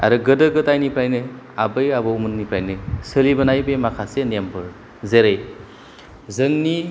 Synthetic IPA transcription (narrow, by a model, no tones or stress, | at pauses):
a̰ɾɯɡɯdɯɡɯtajnipʰɾajnɯ | abɯjabɯumɯnːipʰɾajnɯsɯlibɯnajbemakʰasenembʰɯɾ | zeɾej | zɯŋni